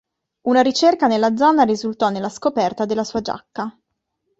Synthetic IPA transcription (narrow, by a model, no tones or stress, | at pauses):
unaɾit͡ʃerkanelːad̪zɔːnaɾizult̪ɔnːelːaskopɛrt̪ad̪elːasuːad͡ʒa̰kːa